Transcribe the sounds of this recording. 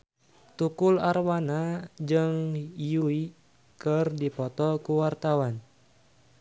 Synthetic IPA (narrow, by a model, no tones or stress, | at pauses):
t̪ukularwanad͡ʒɨŋjui | kɨrdipɔt̪ɔkuwart̪awan